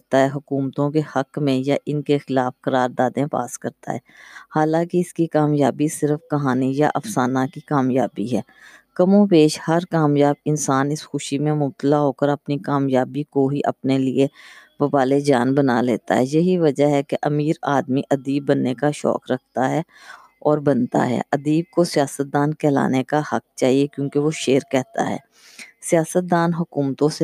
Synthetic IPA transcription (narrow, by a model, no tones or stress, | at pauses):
t̪aɦɛɦʊkuːmt̪õkehɐkmẽjaʔɪnkexɪlaːfkɐɾaːɾd̪aːd̪ẽpa̰ːskɐɾt̪a̰ɦɛːhaːlãːkeɪskikaːmjaːbisɪɾəfkɐɦaːnijaʔɐfsaːnakikaːmjaːbiɦɛːkɐmõpeːʃhɐɾkaːmjaːbɪnsaːnɪsxʊʃimẽmʊb̚t̪əlaɦoːkəɾɐpnikaːmjaːbikoɦiʔɐ̰pnelieʋɐbaːled͡ʒaːnbənaleːt̪a̰ɦɛːjɐɦiʋɐd͡ʒaɦɛkeʔɐmiːɾaːd̪miʔɐd̪iːbːənːekaʃɔ̰ːkɾɐk̚ʰt̪aɦɛː | ɔːɾbɐnt̪a̰ɦɛ̰ːʔɐd̪iːb̚kosijaːsət̪̚d̪aːnkɛːla̰ːnekahɐk̚t͡ʃaːɦiekjõːkeʋoʃeːɾkɛɦt̪a̰ɦɛ̰ː | sijaːsət̪̚d̪aːnɦʊkuːmt̪õse